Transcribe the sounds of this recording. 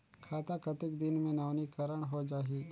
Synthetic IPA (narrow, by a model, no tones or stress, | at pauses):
kʰaːt̪akɐt̪ɪk̚d̪ɪnmẽnaːʋnikəɾəɽ̃ɦod͡ʒaːɦiː